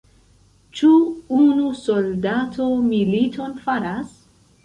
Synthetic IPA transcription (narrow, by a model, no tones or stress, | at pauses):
t͡ʃuunusoldatʰomilitʰonfaɾas